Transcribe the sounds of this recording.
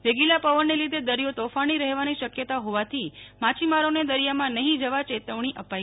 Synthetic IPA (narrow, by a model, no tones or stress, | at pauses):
ʋeɡilapəʋənːelid̪ʱed̪əɾijot̪ofaɽ̃iɾəɦʋaniʃəkjət̪aɦoʋat̪ʰimãt͡ʃimaɾoned̪əɾijamãnəɦĩd͡ʒəʋat͡ʃet̪əʋɳ̃iʔəpai